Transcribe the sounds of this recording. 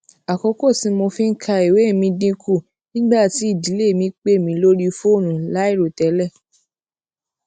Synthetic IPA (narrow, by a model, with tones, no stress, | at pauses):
a˨kɔ˧ko˦˨sĩ˧mo˧fĩ˦ŋ̩˦kʰa˧i˨we˨˦˨mĩ˧dĩ˧ku˦˨ | nĩ˦ɡ͡ba˦˨ti˨˦i˦˨di˨˦le˦˨mĩ˧˦k͡pe˦˨mĩ˧˦lo˦ɾi˦fo˦˨nũ˨la˨˦i˦˨ɾo˨tɛ˨˦lɛ˦˨